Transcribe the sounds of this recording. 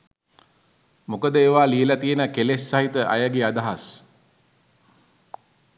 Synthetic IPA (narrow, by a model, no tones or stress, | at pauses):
mokəd̪əeːʋaːliəlat̪iənəkelesːaɦit̪əʔa̰jaɡead̪aɦas